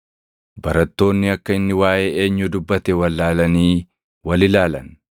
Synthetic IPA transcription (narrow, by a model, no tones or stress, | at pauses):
bɐɾɐt̪ːo̞ːnːɪɐkːɐɪnːɪwaːʔee̞ːɲːʊd̪ʊbːɐt̪ɛwɐlːaːlɐniː | wɐlɪlaːlɐn